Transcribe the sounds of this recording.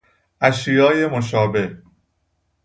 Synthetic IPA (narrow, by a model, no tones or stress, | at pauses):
ʔæʃijɒːje̞moʃ̬ɒːbe̞h